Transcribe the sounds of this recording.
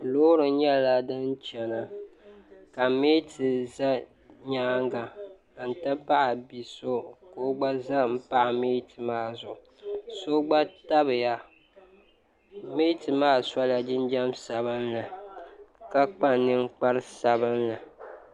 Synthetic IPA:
loː˦ɾɨ˨˦ɲɛ˦la˦dɨ˦nt͡ʃɛ˨na˨ | ka˨me˦tɨ˨za˦ | ɲaː˦ŋɡa˨ | a˨n̩˨ta˦pa˦ʔa˨bi˨so˦ko˨˦ɡ͡ba˦za˦m̩˦pa˦ʔa˨meː˦tɨ˨maː˦˨zʊ˨ʔʊ˨so˦ɡ͡ba˦ta˦bɨ˨ja˨ | meː˦tɨ˨maː˦sa˦la˨d͡ʒɪ˦nd͡ʒɛ˦msa˨βɨ˦nlɨ˨ | ka˦k͡pa˦nɨ˦ŋ˦k͡pa˦ɾɨ˦sa˨βɨ˦nlɨ˨

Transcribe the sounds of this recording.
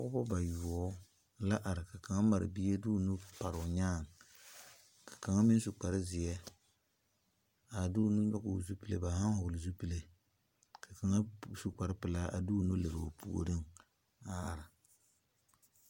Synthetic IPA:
ɔ˦ʊ˦bɔ˦ba˨ju˨ɔ˦ | la˦ʔa˨ɾɪ˨ka˨ka˨ŋa˦ma˨ɾɪ̰˨bi˦e˦du˦˨nu˦pa˨ɾʊ˨ɲaː˦˨ŋ | kʰḁ˨ka˨ŋa˦mɪ˦n˦su˨k͡pa˨ɾɪ˦zɪ˨ɛ˦ | a˨du˦nu˦ɲɔ˦kʊ̰˨zu˦pi˦lḛ˦ba˨ha˦ŋhʊ˨lɪ˨zu˦pi˦le˦ | ka˨ka˨ŋa˦˨su˨ka˨ɾɪ˦pɪ˨la˦a̰˨du˦nu˦le˨ɾo˨pu˨o̰˨ɾɨ˦ŋ | a˨a˨ɾɪ˨

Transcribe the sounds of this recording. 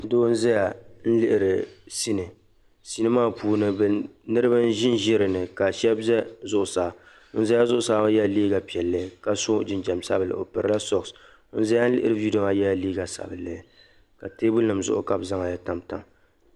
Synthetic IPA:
do˦n̩˦zɛ˦ja˨n̩˦lɪ˦ʔɪ˨ɾɨ˨si˦nɨ˨ | si˦nɨ˦maː˦puː˦nɨ˦bɛ˨nɨ˦ɾɨ˦bɨ˦n̩˦ʒɪ˦n˦ʒɛ˦ɾɨ˨nɨ˨ka˨ʃɛ˦bzɛ˦zʊ˦ʔʊ˨sa˨˦ | n̩˦zɛ˦ja˦zʊ˦ʔʊ˦saː˨˦a˦jɛ˦˨liː˦ɡa˨pi˨ɛ˨lːɨ˦ka˦sʊ˦d͡ʒɪ˨nd͡ʒɛ˨msa˦bɨ˨lɨ̰˨o̰˨pɨ˨ɾɨ˨la˦sɔ˦˨ks | n̩˦zɛ˦ja˦n̩˦lɪ̰˦ʔɪ˦ɾɨ˦bi˦do˦ma˨jɛ˦a˨liː˦ɡa˨sa̰˨bɨ˨lːɨ˨˦ | ka˨teː˦bʊ˦lɨ˨mzʊ̰˦ʔʊ̰˦ka˨bza˦ŋa˨ja˦ta˨mta̰˨m

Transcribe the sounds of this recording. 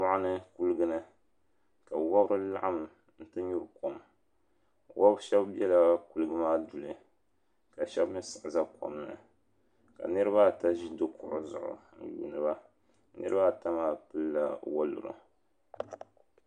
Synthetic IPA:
ma˦ʔnɨ˦ku˦lɨ˦ɡɨ˦nɨ˦ | ka˨wa˦bɾɨ˦la̰˦ʔa˦m˨ | n̩˦tɨ˦ɲu˦ɾko˨m | wʔa˦bʃɛ˦bbɛ˦la˨ku˨lɨ˦ɡɨ˦maː˦du˨lɨ˨ | ka˨ʃɛ˦bmɨ˦sɨ˨ʔza˦ko̰˨mnɨ̰˨ | ka̰˨nɨ˦ɾɨ˦ba˦ta˦ʒi˦do˦kʊ˨ʔʊ˦zʊ̰˨ʔʊ̰˨n̩˦jṵː˨nɨ˨ba˦ | nɨ̰˦ɾɨ˦ba˦˨ta˦maː˦pɨ˦lːa̰˦wa˦lṵ˨ɾɨ̰˨

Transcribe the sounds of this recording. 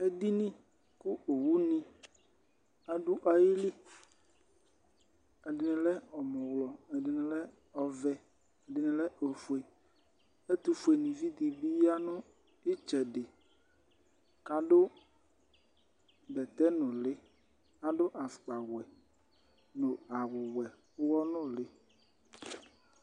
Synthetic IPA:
e˦d̪i˦nĩ˦ | ku˦o˨wu˦nĩ˦ | a˨ɖu˦ʔa˨ji˦li˦ | ɛ˨dɪ˨nɛ̃˨lɛ˦ɔ˨mɔ̃˨wlɔ˨ɛ˨dɪ˨nɛ̃˨lɛ˦ | ɔ˨vɛ˦ | ɛ˨dɪ˨nɛ̃˨lɛ˦o˨fu˨e˨ | e˦t̪u˨fu˨e˨nĩ˨vi˦d̪i˨bi˦a˦nʊ̃˦ | i˦t͡ʃɛ˨ɖɪ˨ | ka˨ɖʊ˦ | bɛ˨t̪ɛ˦nʊ̃˨lɪ˦ | a˦ɖʊ˦ʔa˨fk͡pa˨wɛ˨ | nʊ˨a˨wʊ˨wɛ˨˦ | wɔ˦nʊ̃˦lɪ˦

